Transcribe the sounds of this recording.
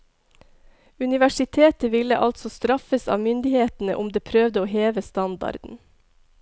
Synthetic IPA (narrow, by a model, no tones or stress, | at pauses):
ʉnɪʋæʃɪt̪ʰeːt̪əʋɪləʔɑlt̪sɔst̪ɾɑfəsɑ̰ːmʏnd̪ɪheːt̪n̩ə̰ʔʊmd̪eːpʰɾøːʋd̪əoːheːʋəst̪ɑnd̪ɑ̰ɾd̪n̩